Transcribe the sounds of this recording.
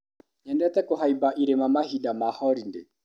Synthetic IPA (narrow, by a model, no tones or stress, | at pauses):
ɲandɛat̪ɛkɔɦaibaʔiɾɛmamahidamahɔɾindɛ